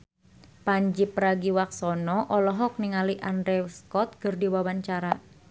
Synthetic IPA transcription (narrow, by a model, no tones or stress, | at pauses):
paɲd͡ʒipːɾaɡiwak̚sɔnɔʔɔlɔɦɔk̚niŋaliʔandɾeskɔt̪̚ɡərdiwawaɲt͡ʃaɾa